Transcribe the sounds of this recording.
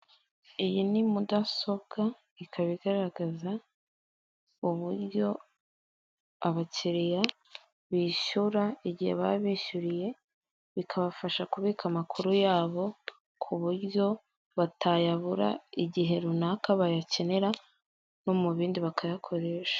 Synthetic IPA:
ijinimudaso̞bɡa | ikʰaβiɡaɾaɡaza | uβuɾjo̞ | aβaciɾija | βiːʃuɾaiɟihe̞̰βa̰βiːʃuɾije̞ | βikʰaβafaʃakuβiːkʰamakʰuɾujaːβo̞ | kʰuβuɾɟo̞ | βatʰajaβuɾa̰iɟiɦe̞ɾunakaβajace̞ne̞ɾa | no̞muβiːndiβakʰajakʰo̞ɾe̞ʃḁ

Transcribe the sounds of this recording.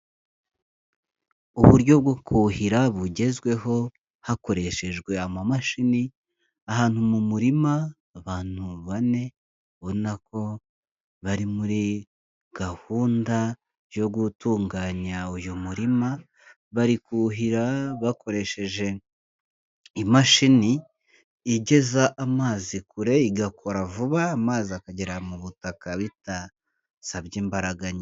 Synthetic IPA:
uβuɾɟo̞bɡokʰuhiɾaβuɟe̞zɡwe̞ɦo̞ | hako̞ɾe̞ʃe̞ʒɡwe̞amamaʃini | aɦaːn̥humumuɾimaː | βaːn̥huβane̞ | βo̞nako̞ | βaɾimuɾi | ɡ̥ahuːnda | jo̞ɡutuːŋɡaːɲaujumuɾima | βaɾikuɦiɾaβako̞ɾe̞ʃe̞ʒe̞ | imaʃiniː | ɟe̞zaʔamaːzikuɾe̞iɡakʰo̞ɾavuβaːmaːziakaɟeɾamuβutakaβita | saβɟiːmbaɾaɡaɲa

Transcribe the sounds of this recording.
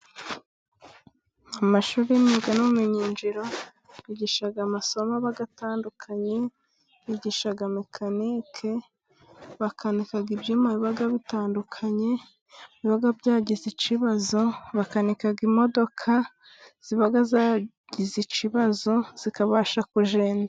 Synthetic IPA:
amaʃuːɾeniɡanuβumeɲind͡ʒiɾo̞ | βiɟiʃaɡamaso̞maβaɡataːndukʰaɲe̞ | βiɟiʃaɡamikʰaniːkʰe̞ | βakʰanikaɡibjimaβiβaɡaβitaːndukʰaɲe̞ | βiβaɡabɟaːɟizit͡ʃiβazo̞βakanikaɡimo̞do̞kʰa | z̥iβaɡaza | ɟizit͡ʃiβazo̞z̥ikaβaʃakuʒeːnda

